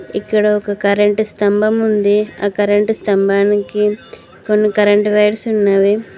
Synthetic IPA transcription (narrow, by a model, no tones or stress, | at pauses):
ḭkːɐɽɐɔkɐkɐɾɐɳʈst̪ɐmbʱɐmund̪eaːkɐɾɐɳʈust̪ɐmbʱaːnikːi | konːikɐɾɐɳʈʋɐjɽsunːaːʋe